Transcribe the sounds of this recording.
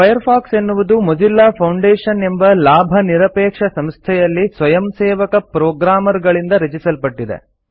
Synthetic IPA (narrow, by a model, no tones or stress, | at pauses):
pʰɐjɐɾpʰaːkse̞nːuʋud̪umod͡ʒilːaːpʰɐwɳɖeːʂɐne̞mbɐlaːbʱɐniɾɐpɛːkʂɐsɐmst̪ʰɛjɐlːisʋɐjɐmseːʋɐkɐpɾoːɡɾaːmɐɾɡɐɭind̪ɐɾɐd͡ʒisɐlpɐʈːid̪ḛ